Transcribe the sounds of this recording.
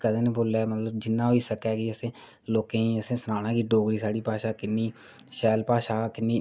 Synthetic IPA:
kəd̪eːneboːlaːmət̪ləbd͡ʒɪnːãːɦoiːsəkɛːkɪəsẽː | loːkẽːĩːəsẽːsənaːñãːkiːɖoːɡɾiːsaːɽiːpaːʃaːkɪnːiː | ʃɛːlpaːʃaːkɪnːiː

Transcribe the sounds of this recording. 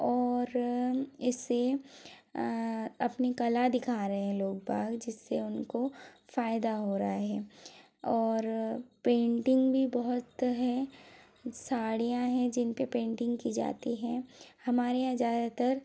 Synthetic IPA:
ɔːɾ | ɪsːe | ɐpnikɐlad̪ɪkʰaːɾɐɦeɦɛ̃loːɡ̚paːɡd͡ʒɪsːeʊnkofaːjd̪aɦoːɾaaɦɛː | ɔːɾpẽːɳʈɪ̃ŋɡbʱibɐɦʊt̪ɦɛ | saːɽijãɦɛ̃d͡ʒɪnpepẽːɳʈɪ̃ŋɡkid͡ʒa̰ːt̪iɦɛ̃hɐmaːɾejãzjaːd̪at̪ɐɾ

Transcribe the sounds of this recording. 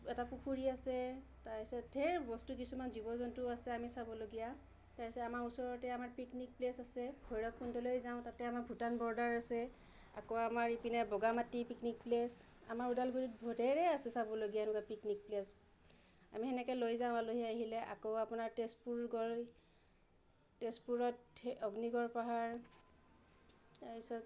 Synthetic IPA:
ɛtapukuɹiasɛ | taɹisɛdʱɛɹbɔstukisumanzibɔzɔntʊasɛamisabɔloɡija | taisɛamaɹusɔɹɔtɛamaɹpiknik̚plesasɛbʱɔjɹɔkʰːuntɔlojzaʊ̃tatɛamaɹbʱutanbɔɹdaɹasɛ | a̰koamaɹipinɛbɔɡamatːipiknik̚plesa̰maɹudalɡuditbʱɔdʱɛɹɛasɛsabɔloɡijanukapiknik̚ples | a̰mihɛnɛkɛlojzãʊ̃aloɦijaaɦilɛʔa̰koapunaɹtespuɹɡɔ | tespuɹɔtɔɡniɡɔɹpaɦaɹ | aisɔt

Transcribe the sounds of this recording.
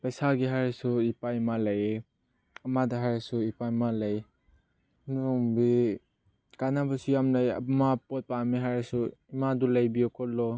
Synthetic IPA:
pajsaɡiɦaɾsuipajmalaje | amadaɦaɾsuipamalaj | nuŋbi | kanabɔsujamlaja̰mapɔt̚pamiɦaɾsuimadulajbiɔkʰɔlɔ

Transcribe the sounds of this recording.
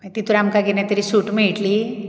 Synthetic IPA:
t̪it̪uɾamkaɡinat̪əɾisuːʈmiɭʈli

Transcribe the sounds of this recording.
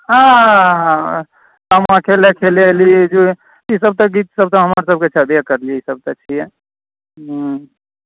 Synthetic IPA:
ɦãɦã | t̪amãkʰelekʰelelid͡ʒu | isəb̚t̪əɡit̪səb̚t̪ɔɦəməɾsəb̚ket͡ʃʰɛb̪ekəɾliisəb̚t̪ət͡ʃʰijɛ | ɦ

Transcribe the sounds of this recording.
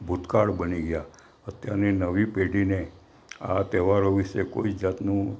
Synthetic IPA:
bʱut̪kaɽbəniɡəja | ət̪jaɾninəʋipeɖine | a̰t̪eʋaɾoʋiʃeko̰id͡ʒat̪nũ

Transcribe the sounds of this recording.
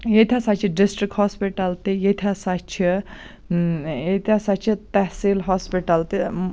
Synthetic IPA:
jet̪ʰʲasat͡ʃʰiɖisʈɾik̚ʈhoːspiʈɐlt̪ijet̪ʲʰasat͡ʃʰi | jet̪ʰasat͡ʃʰit̪ɛhsiːlɦɔːspiʈɐlt̪i

